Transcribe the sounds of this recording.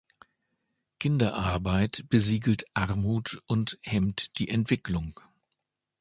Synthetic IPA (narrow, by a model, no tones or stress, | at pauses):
kʰɪndɐʔaɐbaɪtb̥əziːɡl̩tʔaʁmuːtʔʊnthɛmtd̥iːʔɛntv̥ɪklʊŋ